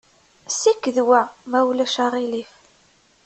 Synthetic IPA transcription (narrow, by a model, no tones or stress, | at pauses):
sikːðwæmæwlæʃaʁilif